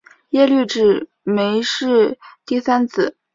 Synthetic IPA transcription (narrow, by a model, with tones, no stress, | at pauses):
jɛ˥˧ly˥˧ʈ͡ʂɻ̩˨˩ | me˧˥ɪʂɻ̩˥˧t̪i˥˩sa˥nt͡sʰɹ̩˨˩˦